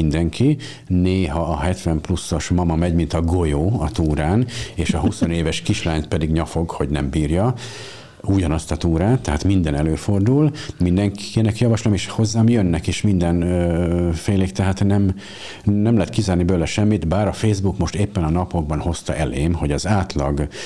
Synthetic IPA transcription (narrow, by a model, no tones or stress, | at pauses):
ind̪ɛŋkʰi | neːɦɒːɦɛt̪ʋɛmplusːo̞ʃmɒmɒmɛɟmint̪ɒɡo̞joːɒt̪uːɾaːneːʃɒɦuso̞neːvɛʃkiʃlaːɲt̪pɛd̪iɡɲɒfo̞ɡho̞ɟnɛmbiːrjɒ | uɟɒnɒst̪ɒt̪uːɾaːt̪ːɛɦaːt̪mind̪ɛnɛløːfo̞rd̪ulmind̪ɛŋkinɛkjɒvɒʃlomeːʃho̞zːaːmjønːɛkeːʃmind̪ɛn | feːleːkt̪ɛɦaːt̪nɛm | nɛmlɛɦɛt̪kizaːrnibøːlɛʃɛmːit̪baːɾɒfeːzbukmo̞ʃt̪eːpːɛnɒnɒpo̞ɡ̚bɒnho̞st̪ɒ̰ʔɛleːmho̞ɟɒzaːt̪lɒɡ